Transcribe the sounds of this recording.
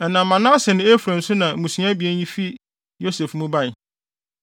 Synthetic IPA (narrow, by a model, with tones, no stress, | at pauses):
ɛ˨nã˨˦mã˨nã˦sɪ˨nɪ̃˦e˦fu˨ɾã˨n̩˨˦sʊ˦nã˨mũ˨sĩ˦a˦bi˨ɛ˦n˦ji˦fi˦ | jo˦se˨fmʊ̃˦ba˦ɪ˨